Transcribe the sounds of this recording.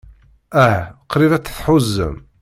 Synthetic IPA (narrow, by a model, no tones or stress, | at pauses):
æhqɾiðæt͡sːθħʊzːə̰m